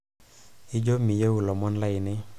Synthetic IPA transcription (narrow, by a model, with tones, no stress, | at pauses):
ɪ˦d͡ʒo˦mi˨je˦wu˨lɔ˨mɔ˦nla˦ɪ˨nɪ˦